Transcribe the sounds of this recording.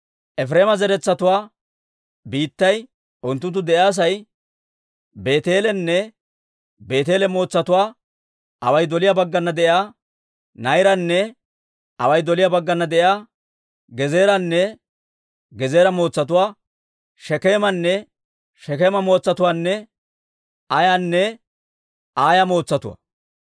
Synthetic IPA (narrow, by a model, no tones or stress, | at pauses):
ʔɛfɾe̞ːmɐzɛɾɛt͡sːɐt̪ʊwaː | biːt̪ːɐj | ʔʊnt̪ːʊnt̪ːʊd̪ɛʔjaːs̬ɐj | be̞ːt̪e̞ːlɛnːɛ | be̞ːt̪e̞ːlɛmo̞ːt͡sːɐt̪ʊwaː | ʔɐwɐjd̪ɔlɪjaːbɐɡːɐnːɐd̪ɛʔjaː | nɐjɾɐnːɛ | ɐ̰wɐjd̪ɔlɪjabɐɡːɐnːɐd̪ɛʔɪaː | ɡɛze̞ːɾɐnːɛ | ɡɛze̞ːɾɐmo̞ːt͡sːɐt̪ʊwaː | ʃɛke̞ːmɐnːɛ | ʃɛkeːmɐmo̞ːt͡sːɐt̪ʊwaːnːɛ | ɐjaːnːɛ | aːjɐmo̞ːt͡sːɐt̪ʊwa̰